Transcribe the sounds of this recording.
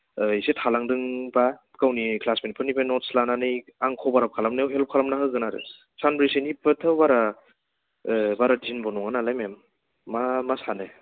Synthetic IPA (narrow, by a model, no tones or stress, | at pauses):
isetʰalaŋdɯŋba | kawnikʰlasmenpʰɯnibanɔslananɯjaŋkʰɔbaɾap̚kʰalamnawɦelp̚kʰalamnaɦɯɡɯnaɾɯ̰ | sanbɾisenipɯtʰɯwbaɾa | baɾadzinbɔnɔŋanalajmemː | amasanɯ